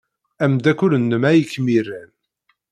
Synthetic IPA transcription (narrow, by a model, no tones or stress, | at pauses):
æmd̪ækːʊlənːəmæjəkːmirːæn